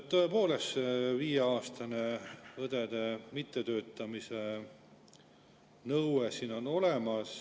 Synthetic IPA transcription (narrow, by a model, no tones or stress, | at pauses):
tt̪ːoe̞po̞ːleseviːjeɑːst̪ɑne̞vɤd̪ed̪̥e̞mit̪ˑːet̪ø̞ːt̪ːˑɑmise | nɤwwesino̞no̞lemɑs